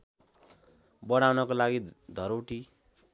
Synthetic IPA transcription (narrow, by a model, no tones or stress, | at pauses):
bʌɽ̃awnʌkolaɡid̪ʱʌɾoʈi